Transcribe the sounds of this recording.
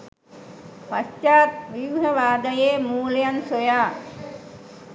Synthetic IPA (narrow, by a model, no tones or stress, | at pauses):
past͡ʃaːt̪̚ʋiʋɦəʋaːd̪əjeːmuːlejansojaː